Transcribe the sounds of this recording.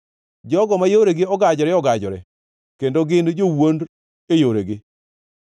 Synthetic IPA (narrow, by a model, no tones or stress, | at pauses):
d͡ʒɔɡɔmajoɾeɡɪɔɡad͡ʒɔɾɛɔɡad͡ʒɔɾɛ̰ | kendoɡɪnd͡ʒowond | ejoɾeɡɪ